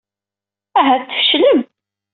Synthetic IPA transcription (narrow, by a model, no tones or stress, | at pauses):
æɦæt̪ːəfə̥ʃləm